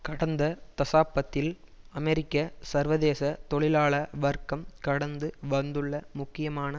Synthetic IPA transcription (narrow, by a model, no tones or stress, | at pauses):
kɐɽɐnd̪ɐt̪ɐsaːpːɐt̪ːɪl | ɐmɛɾɪkːɐsɐɾʋɐðeːsɐt̪ɔɭɪlaːɭɐʋɐɾkɐmkɐɽɐnd̪ɯʋɐnd̪ɯɭːɐmʊkːɪjɐmaːnɐ